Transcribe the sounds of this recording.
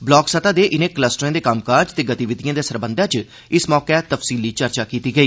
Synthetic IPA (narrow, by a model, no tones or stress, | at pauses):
blɔːksət̪aːd̪eːʔɪnẽːkləsʈəɾãːd̪eːkəmkaːɾd͡ʒt̪eːɡət̪iːʋɪd̪ijãːd̪eːsəɾbə̃nd̪ãːt͡ʃ | ɪsmɔːkɛːt̪əfsiːliːt͡ʃəɾt͡ʃaːkiːt̪iːɡəiː